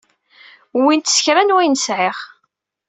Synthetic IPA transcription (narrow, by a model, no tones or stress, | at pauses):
wint̪sçɾænwæjnəsʕɪʁ